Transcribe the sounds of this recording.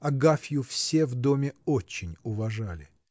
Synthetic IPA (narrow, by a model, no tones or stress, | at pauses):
ɐɡafʲjʊfsʲevd̪o̞mʲɪot͡ɕːɪnʲʊvɐʐalʲɪ